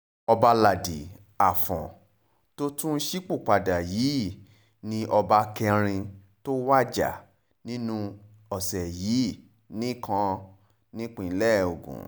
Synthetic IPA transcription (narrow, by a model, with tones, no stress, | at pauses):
ɔ˧ba˧la˨di˨ | a˨fɔ̰̃˨ | to˦tũ˦ʃi˦k͡pu˦˨k͡pa˨da˨ji˨˦ | nĩ˧ʔɔ˧ba˧kɛ˧ɾ̃ĩ˧ | to˦wa˦˨d͡ʒa̰˨ | nĩ˦nũ˧ | ɔ˨sɛ˨jiː˨˦ | nĩ˦kʰã˧˦ | nĩ˦k͡pĩ˦˧˨lɛ˦˨o˨ɡṵ̃˨